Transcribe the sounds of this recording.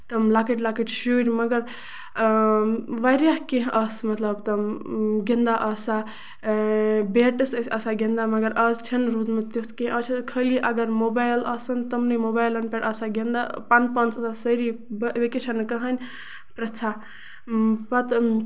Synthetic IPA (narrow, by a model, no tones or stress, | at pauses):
t̪ɐmlakiʈlakiʈʃuɾmɐɡəɾ | ʋajɾjaɦkeɦʔɐsmɐt̪lɐbt̪ɐmɡind̪aʔɐsa | beʈəssɐsaɡind̪amɐɡəɾʔɐst͡ʃʰɐnɾud̪met̪jut̪ʰkẽɦət͡ʃʰit̪kʰəliʔɐɡəɾmobajlɐsɐnt̪ɐmnəmobajlɐnpeʈɐsaɡind̪apanpɐnsɐsasəɾibʋikeʃʰɐnkɐɦənʲ | pɾɐt͡ʃʰa | pɐt̪